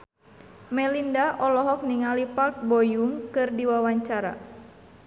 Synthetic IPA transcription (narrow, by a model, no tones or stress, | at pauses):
mɛlindaʔɔlɔɦɔk̚niŋalipark̚bojuŋkɨrdiwawaɲt͡ʃaɾa̰